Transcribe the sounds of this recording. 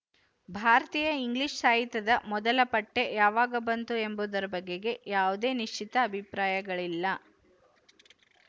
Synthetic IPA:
bʱaːɾɐt̪iːjɐiŋɡliʂsaːjit̪ɐd̪ɐmɔd̪ɐlɐpɐʈːe̞jaːʋaːɡɐbɐnt̪ue̞mbud̪ɐɾɐbɐɡːe̞ɡe̞jaːʋud̪e̞ːniʂt͡ʃit̪ɐːbʱipɾaːjɐɡɐɭilːɐ

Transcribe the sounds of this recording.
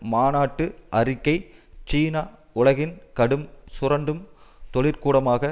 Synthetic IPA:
maːnaːʈːɯʔɐrɪkːɐɪt͡ʃiːnaː | ʊɭɐɣɪnkɐɽɯmsʊrɐɳɖɯmt̪ɔɭɪɾkuːɽɐmaːɣɐ

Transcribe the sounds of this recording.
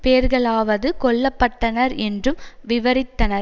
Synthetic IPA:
peːɾɣɐɭaːʋɐðɯkɔɭːɐpːɐʈːɐnɐɾɛndrɯmʋɪʋɐɾɪt̪ːɐnɐɾ

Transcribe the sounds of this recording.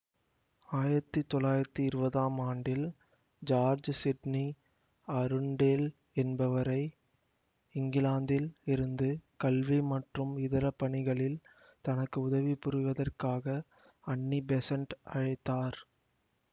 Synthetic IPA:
aːjɪɾɐt̪ːɯt̪ːɔlːaːjɪɾɐt̪ːiɪɾɯbɐðaːmaːɳɖɪl | d͡ʒaːɾd͡ʒsɪɖni | ɐɾɯɳɖeːl | ɛnbɐʋɐɾɐɪ | ɪŋɡɪlaːnd̪ɪlɪɾɯnd̪ɯkɐlʋimɐʈrɯmɪðɐɾɐpːɐɳɪɣɐɭɪl | t̪ɐnɐkːɯʊðɐʋipʊɾɯʋɐðɐrkaːɣɐ | ɐɳːibɛsɐɳʈɐ̰ɻɐɪt̪ːaːɾ

